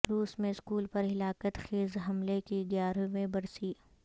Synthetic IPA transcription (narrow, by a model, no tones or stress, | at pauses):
ɾuːsmẽɪskuːlpɐɾɦɪlaːkət̪xeːzɦɐmlekiɡjaːɾõʋẽbɐɾsiː